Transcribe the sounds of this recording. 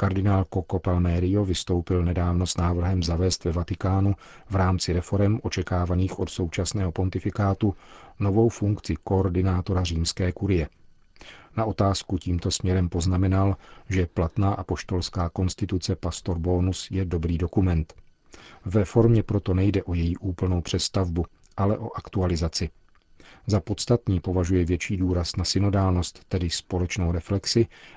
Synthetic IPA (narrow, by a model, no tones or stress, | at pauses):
kaɾdɪnaːlko̞kopalmɛːɾɪjo̞vɪst̪o̞wpɪlnɛdaːvno̞snaːvr̩ɦɛmzavɛːst̪vɛvat̪ɪkaːnu | vɾaːmt͡sɪɾɛfo̞ɾɛmʔo̞t͡ʃɛkaːvaniːxʔo̞t̪so̞wt͡ʃasnɛːɦo̞po̞nt̪ɪfɪkaːt̪unovo̞wfuŋkt͡sɪko̞ːɾdɪnaːt̪o̞ɾariːmskɛːkuɾɪjɛ | naʔo̞t̪aːskuciːmt̪o̞smɲɛɾɛmpo̞znamɛnalʒɛplat̪naːʔapo̞ʃt̪o̞lskaːko̞nst̪ɪt̪ut͡sɛpast̪o̞ɾboːnusjɛdo̞bɾiːdo̞kumɛnt̪ | vɛfo̞ɾmɲɛpɾo̞t̪o̞nɛjdɛʔo̞jɛjiːʔuːpl̩no̞wpr̝̥ɛst̪avbu | ʔalɛʔo̞ʔakt̪ualɪzat͡sɪ | zapo̞t̪st̪at̪ɲiːpo̞vaʒujɛvjɛt͡ʃiːduːɾasnasɪno̞daːlno̞st̪ːɛdɪspo̞lɛt͡ʃnowɾɛflɛksɪ